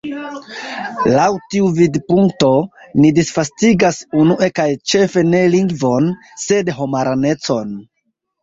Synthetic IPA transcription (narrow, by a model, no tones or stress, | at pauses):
lawtiuvidpuŋkto̞nidisfastiɡasunuʔe̞kajt͡ʃe̞fe̞ne̞liŋɡvo̞n | se̞dɦo̞maɾane̞t͡so̞n